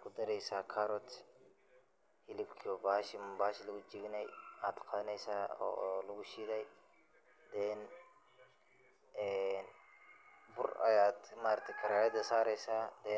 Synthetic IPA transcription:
kʰʊd̪ɐɾɛjsaːkʰaɾɔt̪ | hɪlɪbkʰɔbaːʃɪmbaːʃlɐɣʊd͡ʒɪɡɪnɛjaːd̪qɑðɐnɛjsaːɔ̰ːlɐɣʊʃɪðɛj | d̪ɛːn | ɛn | bʊrɐ̰jaːd̪maːɾt̪ʰɛjkʰɐɾaːɐd̪ɐsaːɾɛjsaːd̪ɛ

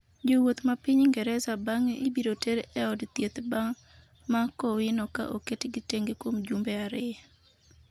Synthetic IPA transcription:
d͡ʒowot̪mapɪɲŋɡɛɾɛzabaŋʔibiɾoteɾɛɔdt̪jet̪baŋ | makɔwɪnɔka̰ʔoketɡɪteŋɡekwomd͡ʒumbɛaɾɪ

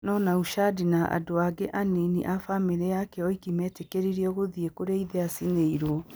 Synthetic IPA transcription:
nɔnauʃadinaʔa̰doaɡeʔaninḭʔafameɾeakɛɔikimɛːtekeɾiɾiɔɣoðiekoɾeiðɛasineiɾwɔ

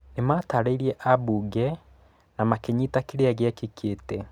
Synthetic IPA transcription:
nemataɾeiɾiɛʔabuɡɛ | namakɛɲitakiɾeaɣeakikʰetɛ

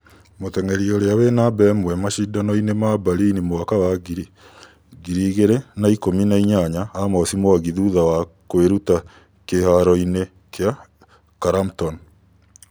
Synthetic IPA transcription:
motɛŋɛɾioɾeawenabɛmwɛmaʃidanɔinemabaɾinimoakawaɡiɾi | ɡiɾiːɣeɾenaikominaiɲaɲaːmɔsimoaɣiðuðawakoeɾuta | kehaɾɔine | kʰea | kaɾamtɔn

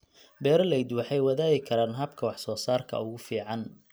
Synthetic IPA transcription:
bɛːɾɔlɛjd̪wɑħɑjwɐðaːɣɪkʰɐɾaːnɦɐbkʰɐwɑħsɔːsaːrkʰɐ̰ʊɣʊfiːʕɑn

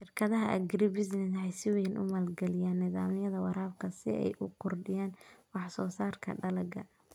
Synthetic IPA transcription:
ʃɪrkʰɐðɐɦɐʔɐ̰ɡɾɪbɪznɪnʕɛjsɪwɛnʔʊ̰mɐlɡɐlɪjaːnːɪða̰ːmɪjɐðɐwɑɾaːbkʰɐsɪ̰ɛ̰jʔʊqʰʊrɖɪjaːnwɑħsɔːsaːrkʰɐ̰ɖɐlɐɡɐ̰

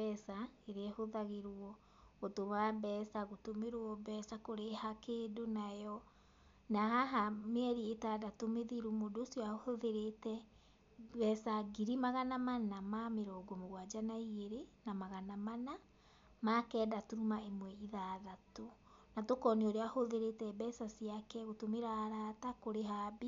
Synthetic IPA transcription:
ɛsaeɾeɛhoðaɣeɾɔ | ɣotomabɛsaɣotomeɾwɔbɛsakoɾehakeːdonajɔ | naɦaɦameɛɾietadatomeðiɾumodoːsjɔaohoðeɾetɛ | bɛsaɡiɾimaɣanamanamameɾɔɡomoɣwad͡ʒanaiɣeɾenamaɣanamana | makɛːdatuɾumaemwɛiðaðato | natokɔneoɾeahoðeɾetɛbɛsasiakɛɣotomeɾaɾatakoɾeɦabi

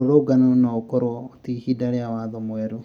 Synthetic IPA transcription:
oɾoɡanonaokɔɾwɔtihidaɾeawaðɔmwɛɾu

